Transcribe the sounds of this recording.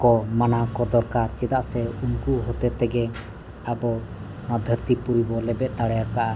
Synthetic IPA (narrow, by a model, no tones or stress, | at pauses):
kɔmanakɔd̪ɔɾkaɾt͡ʃɛd̪aʔsɛunkuʔɦɔt̪ɛt̪ɛɡɛ | abɔ | mad̪ʱəɾt̪ipuɾibɔlɛbɛt̪̚ˀd̪aɽɛjakaʔa